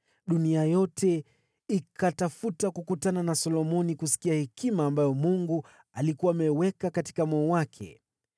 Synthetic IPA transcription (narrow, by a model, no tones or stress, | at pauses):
ɗuniajɔtʰɛ | ikʰatafutakukutananasɔlɔmɔnikusi̥kiahɛkʰimaːmbajɔmuŋɡu | alikuwaːmɛwɛkakati̥kamɔːwakʰɛ̰